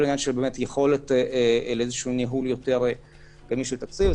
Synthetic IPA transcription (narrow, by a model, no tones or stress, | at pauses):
linjanʃelbeːmet̪jeχo̞letleezeʃuːniɦuljo̞teʁ | ɡ̥amiʃelt̪ak̚t͡siv